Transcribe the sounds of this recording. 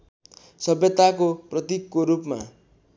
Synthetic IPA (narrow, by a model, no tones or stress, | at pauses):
sʌbjʌt̪akoprʌt̪ikːoɾupma̰